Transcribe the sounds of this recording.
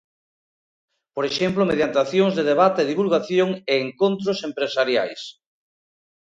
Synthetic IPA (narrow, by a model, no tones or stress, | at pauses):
poɾeʃemplomeðjant̪aθjoŋzðeðeβat̪eːðiβulɣaθjoŋeːŋkont̪ɾosempɾesaɾja̰js